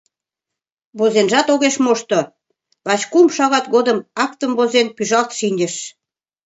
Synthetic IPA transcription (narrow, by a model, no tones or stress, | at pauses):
βozenʒɑt̪oɣeʃmoʃt̪o | βɑt͡ɕkumʃɑɣɑt̪ɣod̪əmɑkt̪əmβozenpyʒɑlt̪ʃinʲdʲə̆ʃ